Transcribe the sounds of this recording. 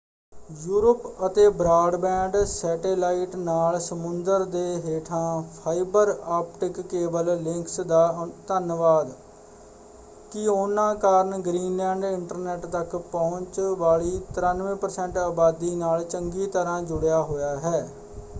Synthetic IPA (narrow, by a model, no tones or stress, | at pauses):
juːɾəpət̪eːbɾaːɖbɛ̃ːɳɖsɛːʈeːlaːiʈnaːlsəmʊnd̪əɾd̪eːɦeːʈʰãːpʰaːɪbəɾaːp̚ʈɪkːeːbəllɪ̃ŋksd̪aːt̪ənʋaːd̪ | kɪoːnãːkaːɾənɡɾiːnlɛ̃ːɳɖɪɳʈəɾnɛːʈt̪əkpɔ̃ːʊɲt͡ʃʋaːɭiːt̪əɾanʋẽːpəɾsɛ̃ɳʈaːbaːd̪iːnaːlt͡ʃəŋɡiːt̪əɾãːd͡ʒʊɽjaːɦoːjaːɦɛː